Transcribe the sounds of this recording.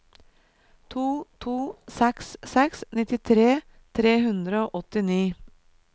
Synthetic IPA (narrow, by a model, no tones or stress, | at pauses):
t̪ʰuːt̪ʰuːsɛkssɛksnɪt̪ɪt̪ʰɾeː | t̪ʰɾeːhʉnd̪ɾəoːʔɔt̪ɪniː